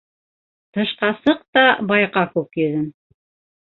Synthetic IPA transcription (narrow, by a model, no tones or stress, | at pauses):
t̪ɤ̆ʃqɑsɤq̚t̪ɑbɑjqɑkʉkjɵ̆ðɘn